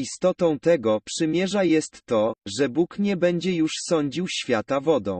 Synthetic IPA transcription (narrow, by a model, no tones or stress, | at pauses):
ist̪ɔt̪ɔ̃w̃t̪ɛɡɔpʂɘmʲjɛʐajɛst̪ːɔʐɛbukɲɛbɛɲd͡ʑɛjuʂsɔɲd͡ʑiwɕfʲjat̪avɔd̪ɔ̰̃w̃